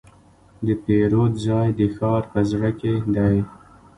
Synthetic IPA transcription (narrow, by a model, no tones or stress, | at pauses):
d̪əpeɾot̪zɑjd̪əxɑɾpəzɽəked̪aj